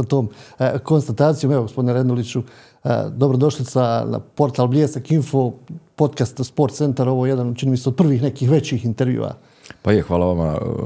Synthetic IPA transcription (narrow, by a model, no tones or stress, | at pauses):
sat̪o̞ːmko̞nst̪at̪aːt̪sijomeʋoɡo̞spod̪ineɾe̞d̪nd̪olit͡ɕṵ | d̪o̞bɾod̪o̞ʃlisana̰po̞ɾt̪alˠblʲjesakinfo̞po̞t̪kast̪spo̞ɾt̪se̞nt̪aɾo̞ʋojed̪ant͡ʃiniːmiseod̪̚pr̩ʋiːxne̞kiːxʋe̞t͡ɕiːxint̪eɾʋjṵːʋa̰ | pajexʋaːlaʋama̰